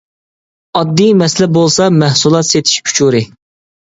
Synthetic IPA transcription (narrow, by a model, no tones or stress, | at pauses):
ɑd̪ːijmɛslɛbolˠsɑmæhsulˠɑt̪set̪ʰi̥ʃkʲʰy̥t͡ʃʰuɾɪ